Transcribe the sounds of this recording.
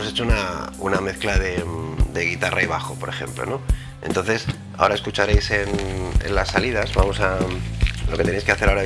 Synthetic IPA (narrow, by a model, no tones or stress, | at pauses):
oset͡ʃounaṵname̞θklaðe̞d̪e̞ɣ̞it̪ara̰iβ̞axo̞po̞ɾe̞xe̞̰mplo̞̰no̞ | e̞nt̪o̞nθe̞s | a̰o̞ɾaeskut͡ʃaɾe̞jse̞nḛnlasːalið̞azβamo̞sa | lo̞ket̪enejskeaθe̞ɾaoɾa